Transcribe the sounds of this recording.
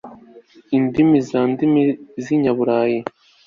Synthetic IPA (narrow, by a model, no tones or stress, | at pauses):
indimizaːndimiziɲaβuɾaːji